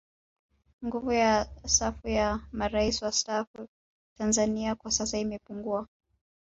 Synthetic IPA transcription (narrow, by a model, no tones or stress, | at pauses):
ŋɡuvujasafujamaɾaisiwastafu | tanzaniakwasasaimɛpuŋɡua